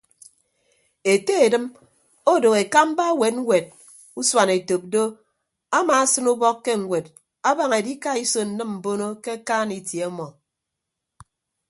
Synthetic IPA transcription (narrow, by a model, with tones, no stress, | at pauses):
e˨te˦e˨dɨ˦m | o˦do˨ɣe˨ka˦m̩˦ba˦we˨t̚ŋ̩˦wʷe˨d̚ | u˦swa˨ne˨to˨p̚do˦ | a˦maː˨a˦sɨ˦nu˦bɔ˦kːe˦ŋ̩˨wʷe˨t̚ | a˦ba˨ŋe˨di˦ka˦i˦so˨n̩˨nɨ˦mm̩˨bo˦no˦ke˦kaː˦ni˨tje˨ɔ˦mɔ˨